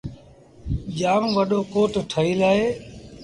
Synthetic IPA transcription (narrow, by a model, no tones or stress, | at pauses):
ʄaːmʋəɗoːkoːʈʈʰəiːlaːɦeː